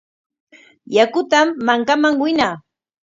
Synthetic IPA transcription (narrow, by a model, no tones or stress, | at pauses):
jakʊt̪amːaŋkamaŋwɪnaː